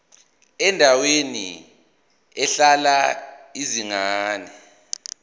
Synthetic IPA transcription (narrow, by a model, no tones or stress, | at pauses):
ɛndʱawenḭ | ɛɬalaiziŋaːnɛ